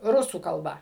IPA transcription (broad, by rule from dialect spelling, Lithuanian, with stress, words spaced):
ˈrʊsuː kɐlˠˈbɐ